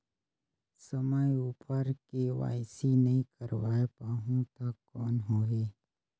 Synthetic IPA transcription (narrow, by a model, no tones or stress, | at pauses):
səməjuːpʰəɾkeʋa̰ːɪsinɐɦĩkəɾʋaːepaːɦũt̪akːɔːnɦoːɦeː